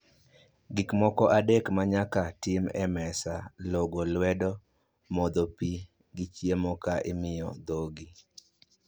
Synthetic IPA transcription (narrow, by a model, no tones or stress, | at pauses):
ɡikmɔkɔʔadekmaɲakatɪmɛmɛsaloɡolwɛdɔ | mɔd̪opi | ɡɪt͡ʃjemɔkaʔɪmɪjɔ̰d̪oɡi